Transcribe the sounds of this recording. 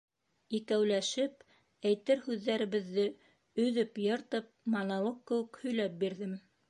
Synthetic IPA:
ikæwlæʃɘp̚ | æjt̪ɘɾhʉðːæɾɘ̆βɘ̆ðːɘ | ɵ̆ðɘpjɤ̆ɾt̪ɤp̚mɑnɑlˠɤqkkːɘ̆wɘkhɵ̆jlæp̚biɾðɘm

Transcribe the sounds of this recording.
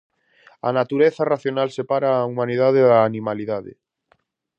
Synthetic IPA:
a̰nat̪uɾeθaraθjonalsepaɾaːumãnið̞aðeðaːnimaliðaðḛ

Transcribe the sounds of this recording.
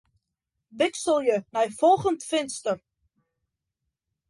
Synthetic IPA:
bɪksəlˠjəmɛjfɔlˠχəntfɪnstər

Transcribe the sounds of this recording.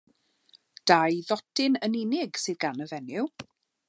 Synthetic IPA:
d̥ajðɔtʰɪnəninɪɡsɨːðɡanəvɛnɪw

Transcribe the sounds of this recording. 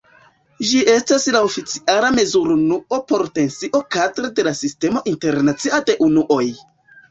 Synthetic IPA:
d͡ʒiʔe̞staslaofit͡siʔalame̞zuɾunuo̞po̞ɾte̞nsiʔo̞kadɾede̞lasiste̞mo̞ʔinte̞ɾnat͡siade̞ʔunuʔo̞j

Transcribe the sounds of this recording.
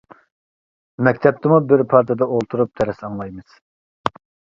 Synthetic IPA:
mɛkʲt̪ʰɛp̚t̪ʰɨmubiɾpʰɑɾt̪ʰɑd̪ɑolˠt̪ʰuɾup̚t̪ʰɛɾɛsɑnlˠɑjmɯz̥

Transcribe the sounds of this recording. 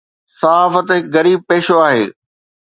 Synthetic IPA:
sɐaːfət̪ɦɪkɣɐɾiːb̚peːʃoaːɦḛː

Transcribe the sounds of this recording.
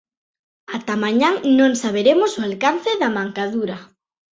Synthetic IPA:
at̪amaɲaŋnõŋsaβ̞eɾemʊsʊalkan̟θɪðɐmaŋkaðuɾɐ

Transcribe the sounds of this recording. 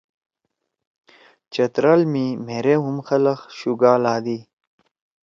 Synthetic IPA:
t͡ɕɐt̪ɾalmimeɾeɦumxɐlɐxɕuɡaːlaːd̪iː

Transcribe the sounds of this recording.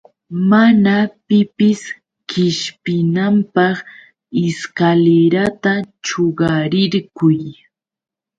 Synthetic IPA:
manapɪpɪs | kɪʃpɪnampɑχ | ɪskaleɾat̪at͡ʃoɢɑɾɪɾkʊj

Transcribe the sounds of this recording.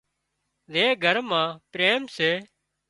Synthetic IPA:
leːɡʱəɾmãːpɾeːmseː

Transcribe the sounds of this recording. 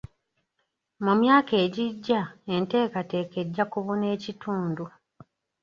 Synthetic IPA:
mumjaːke̞ːɟiɟːae̞nte̞ːkate̞ːke̞dːakuβone̞ːcitʰuːndu

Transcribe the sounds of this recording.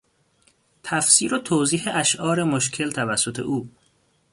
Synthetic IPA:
t̪ʰæfsiːɾot̪ʰoːziːheʔæʃʔɒːɾe̞moʃcʰe̞lt̪ʰævæsːot̪ʰe̞̰ʔuː

